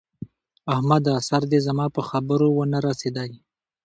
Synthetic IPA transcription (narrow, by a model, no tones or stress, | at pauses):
ahmad̪asaɾd̪ezamɑpəxabəɾowənaɾased̪aj